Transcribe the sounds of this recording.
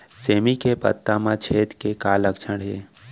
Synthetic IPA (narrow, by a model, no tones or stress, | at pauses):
seːmikepə̰t̪ːamãt͡ʃʰeːt̪kekaːləkt͡ʃʰəɽɦḛː